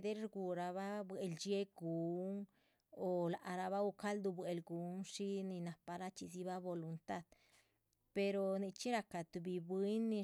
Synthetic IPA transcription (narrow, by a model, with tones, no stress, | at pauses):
d̪e˦ɾɾɡu˨ɾa˧βa˦bwe˨ld͡ʒe˦ɡu˨˦ŋ | o˨la˨ʔa˨ɾa˧βa˦u˧ka˦ld̪u˧bwe˨lɡu˨˦ŋʂi˦ni˧na˨pa˧ɾa˦t͡ʃi˧si˧βa˦bo˧lu˧nt̪a˦d̪ | pe˧ɾo˧ni˧t͡ʃi˦ɾa˧ka˨t̪u˨˧bi˧˨bwi˦nːi˧